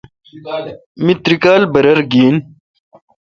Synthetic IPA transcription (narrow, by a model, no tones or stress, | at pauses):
mit̪ɾikaːlbɐɾɐɾɡiːn